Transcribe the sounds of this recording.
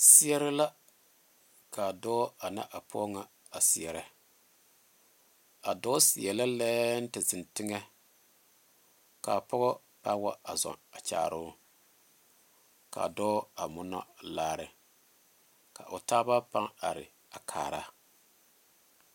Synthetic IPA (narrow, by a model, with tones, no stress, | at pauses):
sɪ˦ɛ˦ɾɪ˦la˦ | ka˨dɔː˦a˨na̰˦ʔa˨pʰɔ˦ŋa˨ | a˨si˨ɛ˨ɾɛ˦ | a˨dɔː˦si˨ɛ˨la˦lɛː˦n̩˦tɪ˨zɪ˨ntɪ˦ŋɛ˦ | ka˨pɔ˦ɣɔ˦ | pa˦wa˦a˨zɔ̰˨a˨t͡ʃa̰ː˨ɾʊ˦ | ka̰˨dɔː˦a˨mʊ˦na̰˦laː˦ɾɪ˨ | ka̰˨ʔʊ˨taː˦ba˦pa˦ŋa˨ɾɪ̰˨ | a˨kʰa̰ː˨ɾa̰˦